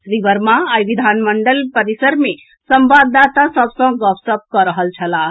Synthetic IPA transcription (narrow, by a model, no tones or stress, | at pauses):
ɾibəɾmaajʋid̪ʱanməɳɖəlpəɾisəɾme | səmbad̪at̪asəbsə̃ɡɔpsəp̚kɔɾəɦəlt͡ʃʰəla